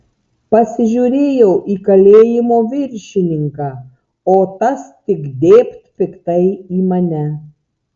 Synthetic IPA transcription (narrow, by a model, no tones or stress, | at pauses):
pɐsʲɪʒʲuɾʲeːjɛʊʔiːkɐlʲeːjɪmoːʋʲɪɾʲʃʲɪnʲɪŋkɑː | oːt̪ɐst̪ʲɪkd̪ʲeːpʲt̪ʲpʲɪkt̪ɐɪiːmɐnʲɛ